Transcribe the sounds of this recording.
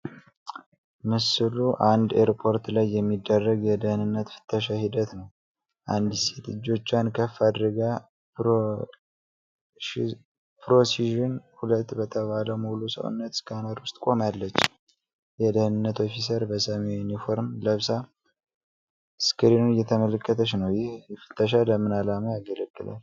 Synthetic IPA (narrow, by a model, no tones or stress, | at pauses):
mɨsɨluʔand̪eɾpʰo̞ɾt̪lajːɛmːid̪ːərːəɡjɛd̪əhɨnɨnːət̪fɨ̥t̪ʰːəʃ̬ahid̪ət̪nəw | ʔand̪set̪ɨ̰d͡ʒːo̞t͡ʃːankʰəfad̪ɾɨɡa | pʰɾo̞siʒɨnhulət̪ːbət̪ʰəβaləwmulusə̰wṵnːət̪skʰanəɾwʊst̪ʼkʷʼo̞malːət͡ʃː | jɛd̪əhɨnɨnːət̪ʰo̞fis̬əɾbəsəmejunifo̞ɾmləβsa | skɨɾinunjɛt̪ʰəmələkʰʼːət̪ʰəʃnəwjɪhjɛfɨ̥t̪ʰːəʃ̬aləmːɨnalamajaɡələɡːɨla̰n